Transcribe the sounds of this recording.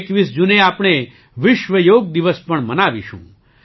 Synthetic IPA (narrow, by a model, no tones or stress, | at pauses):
kʋisd͡ʒuneapɳ̃e | ʋɪʃʋəjoɡ̚d̪iʋəspəɳmənaʋḭʃṵ̃